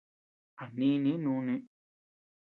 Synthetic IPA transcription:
a˨nĩ˦nĩ˦nũ˦nĩ˦

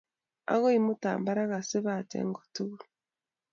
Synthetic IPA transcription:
a̰˦ɣo˦i˦mu˦ta̰ː˨mba˦ɾa˦ɣa˨si˦βa˨tḛ˦ŋɡo̥˨tu˦ɣu˦ɾ

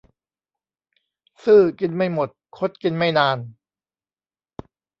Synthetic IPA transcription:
sɯː˥˩ki˧nma˥˩jmo˨˩t̪̚kʰo˦˥t̪̚ki˧nma˥˩jnaː˧n

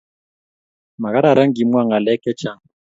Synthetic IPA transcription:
ma˨ɣa˦ɾa˨ɾa˦ŋ˦ɡi˨mwa˦˨ŋa˨lɛ˦kɛ˦t͡ʃa˦˨ŋ

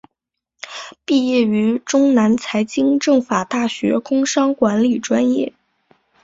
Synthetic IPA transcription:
pi˥˧jɛ˥˩y˧˥ʈ͡ʂʊ˥ŋna˧˥nt͡sʰa˧˥ɪt͡ɕi˥ŋʈ͡ʂɤ˥˩ŋfa˨˩t̪a˥˩ɕɥɛ̰˧˥kʰʊ˥ŋʂɑ˥ŋkwa˧˥nli˨˩ʈ͡ʂwa˥njɛ˥˩

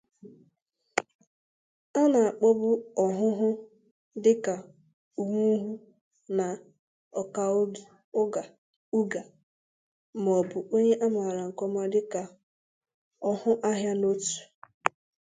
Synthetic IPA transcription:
a˦na˨a˨k͡pɔ˦bʊ˦ɔ˨ɦʊ˦ɦʊ˦ | dɪ˦ka˨ | u˨ŋʷu˦ɦu˦ | na˨ | ɔ˨ka˨o˦ɡi˨ | ʊ˦ɡa˨ | u˦ɡa˨ | m˨ɔ˨bʊ˨o˦ɲe˦ʔa˦ma˨ɾa˨ŋ̩˨kɔ˦m˦a˦dɪ˦ka˨ | ɔ˦hʊ˦ʔa˦ɦja˦no˦tu̥˨

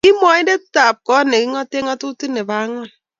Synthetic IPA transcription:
i˦mɔ˨i˦de˦ta˨p̚kɔ˦ne˨ki˦ŋɔ˦te˦ŋɔ˦tu˦ti˦ne˨ba˨˦ŋɔ˦˨l

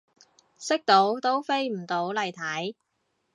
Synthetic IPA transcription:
sɪ˥k̚t̪o˨˥wt̪o˥wfe˥jm̩˨˩t̪o˨˥wlɐ˨jt̪ʰɐ˨˥j

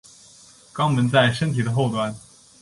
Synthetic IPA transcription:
kɑ˥ŋmə˧˥nt͡sa˥˩ɪʂə˥ŋt̪ʰi˨˩d̪ə˦xo˥˩ʊt̪wa˥n

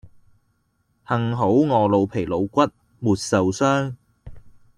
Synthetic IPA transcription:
hɐ˨ŋɦo˨˥wŋɔː˨˧lo˨˧wpʰe˨˩jlo˨˧wkʷɐ˥t̚ | muː˨t̚sɐ˨wsœː˥ŋ

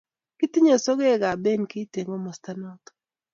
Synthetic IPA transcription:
kɪ˦t̪ɪ˦ɲo˨sɔ˦ɡe˦˨ɡa˨be˦nki˦te˨ŋo˦mɔ˨sta˦nɔ˦t̪

